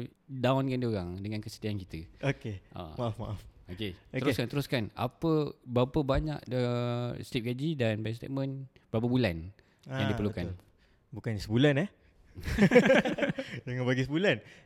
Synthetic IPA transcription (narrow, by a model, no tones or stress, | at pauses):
dawnkandioɾaŋdəŋankəsə̥t̪iankit̪əokeʔa̰maafmaʔafoket̪əɾʊskant̪əɾʊskana̰pəbapəbaɲa̰ʔəst̪ip̚ɡad͡ʒidanbɛs̬t̪ḛʔ̚mə̃nbəɾap̬abulan | jaŋdipəlukan | bukansəbulanɛh | dəŋanbaɡisəbulan